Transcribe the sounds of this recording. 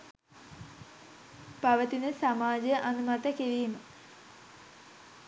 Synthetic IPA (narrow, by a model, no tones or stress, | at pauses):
pɐʋɐt̪inɨsɐmaːd͡ʑɐʔɐnumɐt̪ɐkiɾijunːu